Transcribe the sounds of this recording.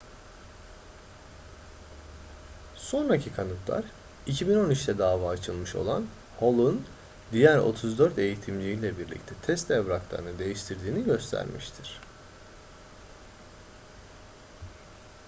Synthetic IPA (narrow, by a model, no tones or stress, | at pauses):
so̞nɾacʰikʰanɯt̪lˠa̰ɾ | icʰibino̞nit͡ʃt̪ʰɛd̪aːvaːt͡ʃʰɯlˠmɯʃo̞̰lˠa̰n | ho̞lˠun | d̪ijæɾo̞̰t̪ʰuzd̪øɾt̪e̞jit̪ʰimlʲiilʲɛbiɾlʲḭc̚t̪ʰɛt̪ʰɛst̪ʰɛbɾaklˠa̰ɾɯnɯd̪e̞jiʃt̪ʰiɾd̪iːniɟø̞st̪ʰæ̰ɾmḭʃt̪ʰiɾ̥